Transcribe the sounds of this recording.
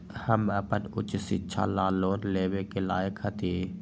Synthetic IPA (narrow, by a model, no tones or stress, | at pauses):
həməpənʊ̰t͡ʃsɪtːʃʰa̰laːloːnleːwekelaːjəkhət̪iː